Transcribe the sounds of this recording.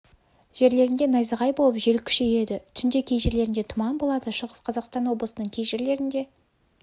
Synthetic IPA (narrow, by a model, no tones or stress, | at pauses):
ʒ̥e̞ɾle̞ɾɪnd̪e̞nɑjzəʁɑjbo̞lˠəpʒe̞lkʲʰʏ̥ʃe̞je̞d̪ɪt̪ʰʏnd̪e̞kʲʰe̞jʒeɾle̞ɾɪnd̪e̞t̪ʰʊmɑnbo̞lˠɑd̪əʃəʁəsqʰɑzɑqst̪ɑnwo̞blˠəsənəɴkʲʰejʒeɾle̞ɾɪnd̪e̞